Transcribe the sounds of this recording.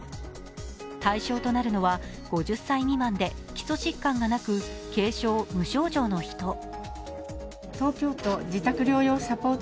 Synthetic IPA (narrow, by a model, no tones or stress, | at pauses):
t̪aiɕo̞ːt̪o̞naɾɯ̟no̞βa | ɡ̥o̞ʑɨsːaiɲ̟imãnd̪e̞kʲi̥so̞ɕikːãŋɡanakɯ̟ke̞ːɕo̞ːmɯ̟ɕo̞ːʑo̞ːno̞çi̥t̪o̞ | t̪o̞ːkʲo̞ːt̪o̞d͡ʑit̪akɯ̟ɾʲo̞ːjo̞ːsapo̞ːt̪